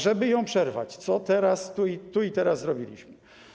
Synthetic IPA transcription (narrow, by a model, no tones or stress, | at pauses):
ʐɛbɘjɔ̃w̃pʂɛɾva̰t͡ɕt̪sɔt̪ɛɾast̪uit̪uit̪ɛɾasːɾɔbʲilʲḭɕm